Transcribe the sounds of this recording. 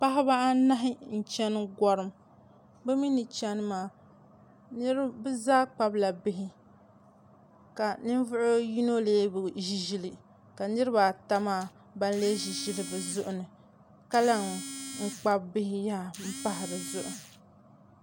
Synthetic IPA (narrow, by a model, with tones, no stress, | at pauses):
pa˦ɦɪ˦ba˦ʔa˦na˦ɦɪ˦n̩˨t͡ʃɛ˦n˦ɡɔ˦ɾɨ˦m | bɛ˦mi˦nɨ˨t͡ʃɛ˦n˦maː˨ | nɨ˦ɾɨ˦bɨ˦zaː˦k͡pa˦bla˨bɪ˦ɦɪ˦ | ka˨nɨ˦n˦vʊ˦ʔʊ˦ji˦no˦leː˦bɨ˨ʒi˦ʒi˦lɨ˨ | ka˨nɨ˦ɾɨ˦ba˨ta˦maː˦˨ | ba˦n˦le˦ʒi˨ʒi˦lɨ˨bɨ˨zʊ˦ʔʊ˨nɨ˨ | ka˦la˦ŋ˨ŋ̩˦˨k͡pa˦bbɪ˦hɪ˦jaː˦m̩˦pa˦ɦɪ˨ɾɨ˨zʊ˦ʔʊ˨